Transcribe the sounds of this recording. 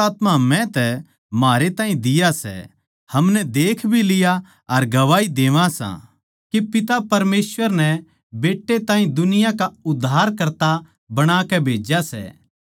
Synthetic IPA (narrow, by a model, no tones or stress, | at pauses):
aːt̪mamɛ̃t̪ɛ | maːɾet̪ãːĩd̪ɪjasɛ̰ | hɐmnɛd̪eːkʰbʱilɪja | ɐɾɡɐʋaːid̪eːʋãsã̰ | kepɪt̪apɐɾmeːsʋəɾnɛ | beːʈːet̪ãːɦĩd̪ʊnɪjãkaʊd̪ʱːaːɾkɐɾt̪a | bɐɽ̃aːkɛbʱeːd͡ʒasɛ̰